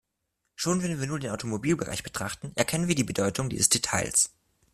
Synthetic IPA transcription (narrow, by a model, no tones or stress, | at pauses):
ʃoːnvɛnviːɐnuːɐdeːnʔaʊtʰomobiːlbəʁa̰ɪçb̥ətʁ̥aχtn̩ʔɛɐkʰɛnənviːɐdiːbədɔʏtʰʊŋdḭzəsd̥etʰa̰ɪls